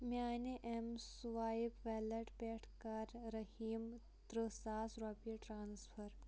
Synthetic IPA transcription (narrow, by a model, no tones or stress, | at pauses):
maːneʔemsʋaːipʋɛːlɐʈpeːʈʰkɐɾɾɐhiːm | t̪ɾɨsaːsɾoːpiʈɾaːnspʰɐɾ